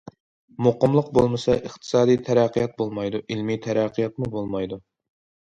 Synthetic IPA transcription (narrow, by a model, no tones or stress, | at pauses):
moqəmlˠʊq̚bolˠmɨsɑʔəχt̪ʰɨ̥sɑːd̪ijt̪ʰæɾæqʰːijɑt̪̚bolˠmɑjd̪uʔilmit̪ʰɛɾæqʰːijɑt̪̚mubolˠmɑjd̪u